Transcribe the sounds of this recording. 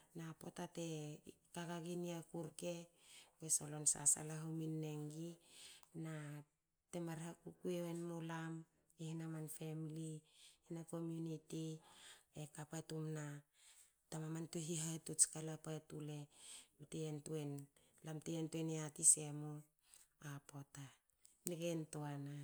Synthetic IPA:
napo̞tate̞ | kaɡaɡiniakuɾke̞wesolo̞nsa̰sa̰laɦawminːeŋɡina | te̞maɾhakukueenmolam | ihinamanfemlihinako̞mjuniti | ekapatumna | tamamantuɦiɦatut͡ʃkalapaetule̞mteentuen | lamteentueneatisemo | apota | nikentoana

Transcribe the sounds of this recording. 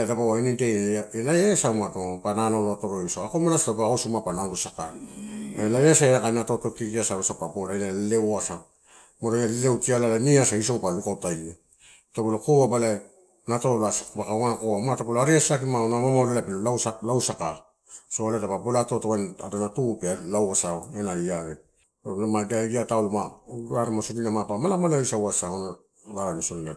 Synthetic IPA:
etapaainitejaelajesawmatopananoloato̞ɾoisoakomanasatobaasumapananɾusaka | lajasaeakanatotokikiasaosapapoɾajnalewoasa | moɾajallewkialalaniasaiso̞wpalukawtaj | topolokowabala | natolasabakaoŋankoamatapoloaɾiasak̬imaonamamaɾelapilolawsalawsaka | soaletapapolatotawana̰donatupealawasaoenaiaɾe | olamaɡaɡiataolomaaɾamasodinamapamalamalaisawasahona | laɾanisonle

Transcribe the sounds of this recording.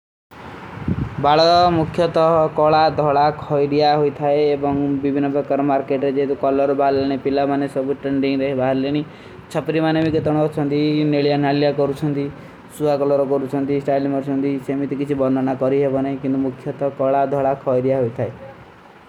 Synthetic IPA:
baɭɔɔmukʰjɔt̪ɔɦkɔɭad̪ʱɔɭakʰɔjɾijaɦojt̪ʰaeːbɔŋbibʱinːɔpekːɔɾmaɾkeʈɾed͡ʒeɦet̪ukɔlɔɾɔbaɦaɾleɽ̃ipilamanesɔbuʈɾeɳɖiŋɾeɦbaɦaɾleɽ̃i | t͡ʃʰɔpɾimanemiket̪ɔɽ̃ɔt͡ʃʰɔnt̪ineɭijanalijakɔɾut͡ʃʰɔnt̪i | suakɔlɔɾɔkɔɾut͡ʃʰɔnt̪isʈajlimɔɾt͡ʃʰɔnt̪isemit̪ikit͡ʃʰibɔnd̪ʱɔnakɔɾiɦebɔnaikint̪umukʰjɔt̪ɔkɔɭad̪ʱɔɭakʰɔjɽijaɦojt̪ʰae

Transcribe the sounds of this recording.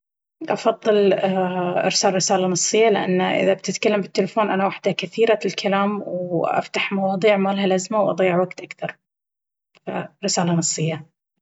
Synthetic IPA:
ʔɑfɑðˤːɨl | ʔɪ̰ɾsaːlɾɪsaːlanɨsˤːɨjːalɪʔa̰nːʔɪ̰ðabt̪ɪt̪kalːambɪt̪ːɪlɪfoːnʔanawaħd̪akaθiːɾalkʰalaːmwʔa̰ft̪aħmɑwɑːðˤiːʕmaːlɦalʔazmawʔɑ̰d̪ˤiːʕwaɡt̪ʔakθɑɾˤ | fa̰ɾɪsaːlanɨsˤːɨjːa

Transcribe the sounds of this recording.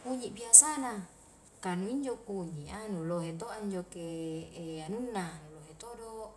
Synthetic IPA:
kuɲiʔbiasana | kanuiɲd͡ʒokuɲiʔanuloɦet̪oʔaiɲd͡ʒokeː | anunːanuloɦet̪odo

